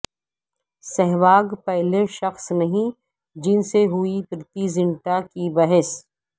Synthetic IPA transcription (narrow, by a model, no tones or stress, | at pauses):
sɛɦʋaːɡpɛɦleʃɐxsnɐɦĩ | d͡ʒɪnseɦuipɾɪt̪izɪ̃ɳʈakibɐɦɛs